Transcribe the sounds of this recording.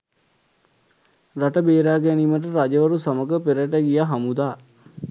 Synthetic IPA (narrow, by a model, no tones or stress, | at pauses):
raʈəbeːɾaːɡæniməʈ̬əɾad͡ʒəʋəɾusaməɡəpeɾəʈəɡijaɦamud̪aː